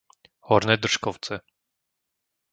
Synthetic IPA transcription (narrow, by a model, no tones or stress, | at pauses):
hɔɾnɛd̪r̩ʂkɔwt̪sɛ